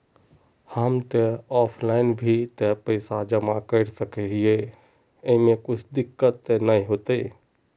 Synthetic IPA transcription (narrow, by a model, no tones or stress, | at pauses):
həmt̪eɔːpʰlaːɪnbʱit̪epəɪsad͡ʒəmakəɪɾsəkɛɦie | əɦĩmẽkʊt͡ʃʰd̪ɪkːət̪ːenaĩɦoːt̪e